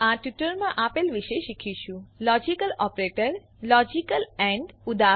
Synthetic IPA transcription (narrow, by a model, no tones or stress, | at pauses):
aʈjuʈəɾmãʔapelʋiʃeʃikʰiʃũlɔd͡ʒikəlɔpɾeʈəɾ | lɔd͡ʒikəlɛ̃ɳɖud̪a